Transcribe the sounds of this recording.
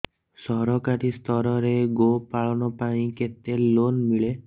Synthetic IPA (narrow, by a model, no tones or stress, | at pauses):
sɔɾɔkaɾist̪ʰɔɾɔɾeɡopaɭɔnɔpaĩket̪elonmiɭe